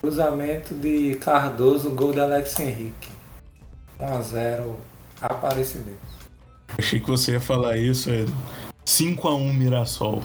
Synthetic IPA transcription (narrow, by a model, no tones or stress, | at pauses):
kɾuzamẽt̪ʊd̪ɪkaɾd̪ozʊɡowd̪ɪalɛksẽɦikɪ̥ | ũazɛɾʊ | apaɾesɪmẽt̪ʊs | aʃejkɪvoseiɐfalaisʊɛsĩkʊaũmiɾasɔ̰w